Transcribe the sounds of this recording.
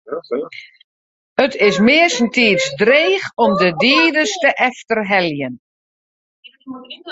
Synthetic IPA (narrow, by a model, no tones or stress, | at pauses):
ətɪsmɪəsəntiːsdreːxɔmdədiːdəstəʔɛftərɦɛljən